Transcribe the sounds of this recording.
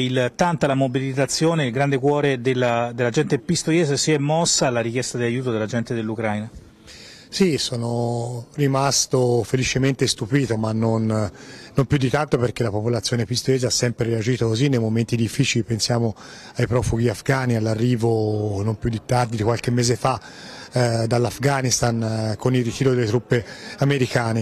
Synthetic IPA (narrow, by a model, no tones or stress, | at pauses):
ilt̪ant̪alamobilit̪at̪sːjoːneilɡɾand̪ekwɔːɾed̪elːad̪elːad͡ʒɛnt̪epist̪ojeːzesiɛmːɔsːaːlːaɾik̟jɛst̪ad̪elajːuːt̪od̪elːad͡ʒɛnt̪ed̪elːukɾajna | sisoːnorimast̪ofelit͡ʃement̪est̪upiːt̪omanːonnːompjud̪ːit̪ant̪operk̟elːapopolat̪sːjoːnepist̪oleːzaasːɛmpɾeɾead͡ʒiːt̪okozinːejmoment̪id̪ifːiːt͡ʃilipensjaːmo | ajpɾɔːfuɡiafɡanialːarːiːvonompjud̪ːit̪ːard̪id̪ikwalkemːeːzefa | d̪alːafɡanist̪ankonilrːit̪iːɾod̪elːet̪ɾupːeameɾikaːne